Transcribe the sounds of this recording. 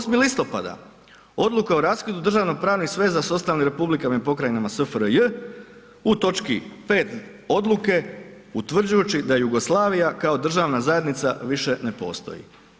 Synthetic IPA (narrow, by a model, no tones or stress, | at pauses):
osmilist̪o̞pa̰d̪a̰ | o̞d̪lˠukaoɾaːskid̪ud̪r̩ʒaːʋno̞ɡ̚pɾaːʋnixsʋe̞ːzasost̪aːʋnimɾe̞publikamimpo̞kɾajinamasəfɾəjə | ut̪o̞t͡ʃkipe̞ːt̪ | o̞d̪luke̞ | ut̪ʋr̩d͡ʒujut͡ɕid̪ajuɡo̞slˠaːʋijakao̞d̪r̩ʒaːʋnazaje̞d̪nit̪saʋiʃe̞ne̞po̞̰ːst̪o̞̰jḭ